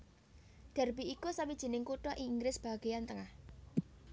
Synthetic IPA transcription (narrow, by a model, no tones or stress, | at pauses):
ɖ̥a̤rb̥i̤ikusawid̥ʒ̥i̤nɪŋkuʈɔʔiːŋɡɾɪsb̥a̤ɡ̥e̤jant̪əŋah